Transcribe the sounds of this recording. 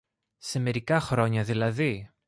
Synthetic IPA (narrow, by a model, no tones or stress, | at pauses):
se̞me̞ɾikɐxɾo̞ɲɐðilɐði